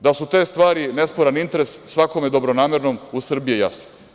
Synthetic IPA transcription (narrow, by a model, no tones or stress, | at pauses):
d̪asut̪eːst̪ʋaːɾinespoɾanint̪eɾe̞sːʋakomjed̪o̞bɾonaːmeɾno̞musr̩bijeja̰sno̥